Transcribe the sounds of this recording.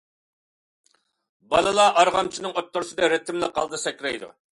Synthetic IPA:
bɑlˠɨlˠɑʔɑɾʁɑmt͡ʃʰinɨŋot̪ːʊɾsɨd̪ɛɾɛt̪ʰːɪmlɪqʰɑ̰lˠd̪ɨsɛkʲɾɛjd̪ṵ

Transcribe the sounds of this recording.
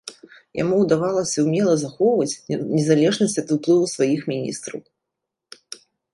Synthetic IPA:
ja̰muwd̪avalˠɐsʲɐwmʲɛlˠɐzaxɔwvɐt͡sʲnʲɛzalʲɛʐnɐsʲt͡sʲɐt̪uplˠɨvusvajixmʲinʲḭst̪ɾɐ̰w

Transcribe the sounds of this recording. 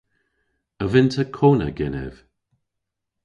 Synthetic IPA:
əvɪntʰəkʰoːnə̰ɡɛnɛ̰v̥

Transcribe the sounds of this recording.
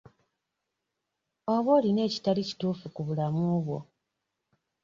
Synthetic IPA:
o̞βo̞ːline̞ːci̥talici̥tuːfukuβulamuːβwo̞̰

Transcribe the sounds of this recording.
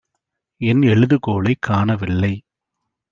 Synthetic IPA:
ɛnɛɻɯðɯkoːɭɐɪkʰːaːnɐʋɪlːɐɪ

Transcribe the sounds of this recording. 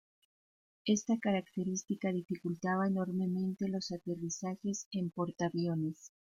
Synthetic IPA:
e̞st̪akaɾakt̪e̞ɾist̪ikað̞ifikult̪aβaeno̞ɾme̞mẽ̞nt̪e̞lo̞sat̪e̞risaxe̞se̞mpo̞ɾt̪aβjo̞ne̞s

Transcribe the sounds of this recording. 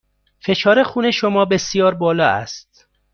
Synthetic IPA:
fe̞ʃʰɒːɾe̞xuːneʃomɒːbe̞sjɒːɾbɒːlɒːæ̰st̪̚

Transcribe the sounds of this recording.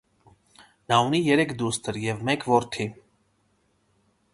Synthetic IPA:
nɑunijɛɾɛkʰd̪ust̪ʰəɾjɛvmɛkʰvɔɾt̪ʰi

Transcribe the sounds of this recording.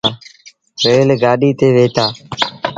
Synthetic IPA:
ɾeːlɡaːɗiːt̪eːʋeːt̪aː

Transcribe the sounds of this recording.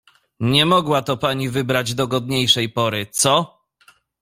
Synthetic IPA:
ɲɛmɔɡwat̪ɔpaɲivɘbɾad͡ʑd̪ɔɡɔd̪ɲejʂɛjpɔɾɘt̪sɔ

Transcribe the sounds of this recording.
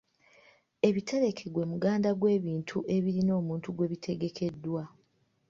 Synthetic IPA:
e̞βitʰe̞ɾe̞kʰe̞ɡwe̞muɡaːndaɡwe̞ːβiːntʰuʔe̞βiɾino̞ːmuːntuɡwe̞βitʰe̞ɡe̞kʰe̞dːwa

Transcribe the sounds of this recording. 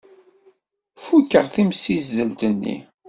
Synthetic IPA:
fukːəʁθimsizːəlt̪ənːḭ

